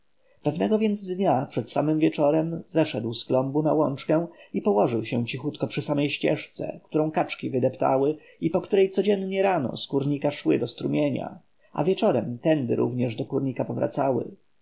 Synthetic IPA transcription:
pɛvnɛɡɔvʲjɛnd̪zd̪ɲapʂɛt̪samɘmvʲjɛt͡ʂɔɾɛmzɛʂɛd̪wsklɔmbunawɔnt͡ʂkɛ̃w̃ipɔwɔʐɘwɕɛ̃t͡ɕixut̪kɔpʂɘsamɛjɕt͡ɕɛ̰ʂt̪sɛ̰kt̪uɾɔ̃w̃kat͡ʂkʲivɘd̪ɛpt̪a̰wɘ | ipɔkt̪uɾɛjt̪sɔd͡ʑɛnːɲɛɾanɔ̰skuɾɲikaʂwɘd̪ɔst̪ɾumʲjeɲa̰ | ʔa̰vʲjɛt͡ʂɔɾɛmt̪ɛnd̪ɘ̰ɾṵvɲɛʐd̪ɔkuɾɲikapɔvɾa̰t̪sawɘ̰

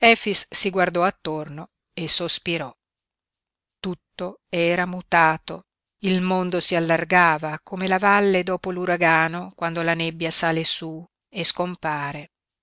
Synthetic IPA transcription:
ɛfisːiɡward̪ɔat̪ːorno | esospiɾɔ | t̪ut̪ːoɛːɾamut̪aːt̪o | ilmond̪osialːarɡaːvakomelavalːed̪ɔːpoluɾaɡaːnokwand̪olanebːjasaːlesu | eskompaːɾe

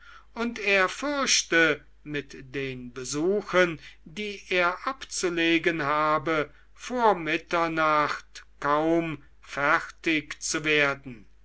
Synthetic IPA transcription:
ʔʊnteːɐfʏɐʃtə | mɪtd̥eːnbəzuːxəndiːʔeːɐʔapt͡suleːɡənɦaːbə | foːɐmɪtɐnaχtkaʊm | fɛʁtɪkt͡suveːɐdn̩

